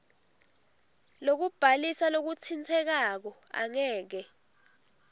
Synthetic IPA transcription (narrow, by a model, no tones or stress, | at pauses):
lok̬ub̥ʱalisalok̬ut͡sʰint͡sʰɛk̬ak̬ɔ | a̰ŋɛːk̬ɛ